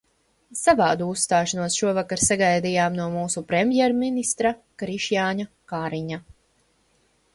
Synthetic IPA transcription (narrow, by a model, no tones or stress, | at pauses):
savaːd̪uusːt̪aːʃanuɔsʃuɔvakaɾsaɡajd̪ijaːmnuɔmuːsupɾɛmjɛɾminist̪ɾakɾiʃjaːɲa | kaːɾiɲa